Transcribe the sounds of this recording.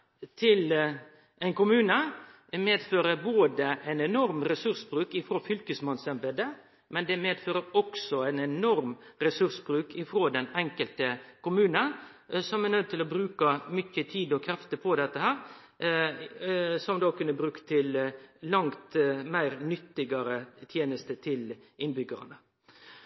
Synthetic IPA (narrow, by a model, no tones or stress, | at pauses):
t̪ʰɪl | ɛɪnkʊmʉːnə | meːd̪føːɾəboːd̪əʔæɪnɛnɔɾmɾɛsʉɾsbɾʉːkɪfɾoːfʏlkəsmɑnsɛmbəd̪ə | mɛnd̪ɛmeːd̪føːɾəɾɔksɔæɪnɛnɔɾmɾɛsʉɾsbɾʉːkɪfɾoːd̪ɛnɛŋkəlt̪əkʊmʉːnən | sɔmɛnœd̪̚t̪ɪlɔbɾʉːkəmʏçət̪ʰiːd̪ɔkʰɾɛft̪əpʰɔd̪ɛt̪ːəhæːɾ | sɔmd̪ɑːkʰʉnːəbɾʉːkt̪ʰɪllɑŋt̪mæɪɾnʏt̪ːɪɡəɾət̪ʰjeːnəst̪ət̪ʰɪlɪnbʏɡə̰ɾə̰nə